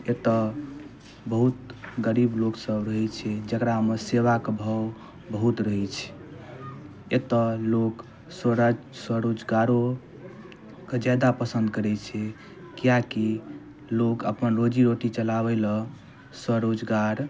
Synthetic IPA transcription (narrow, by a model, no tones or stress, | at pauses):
et̪ə | bəɦut̪ɡəɾibloksəbɾəɦɛt͡ʃʰɛd͡ʒəkɾameseʋakebʱəw | bəɦut̪ɾəɦɛt͡ʃʰɛ̥ | et̪ɔlok | sɾ | swəɾod͡ʒɡaɾo | ked͡ʒad̪apəsə̃nd̪̚kəɾɛt͡ʃʰɛ | kijaki | lokəpənɾod͡ʒiɾoʈit͡ʃəlabɛlɔ | swəɾod͡ʒɡaɾ